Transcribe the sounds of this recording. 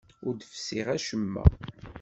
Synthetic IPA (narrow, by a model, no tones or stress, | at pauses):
ʊɾd̪fsiʁæʃəmːæ̰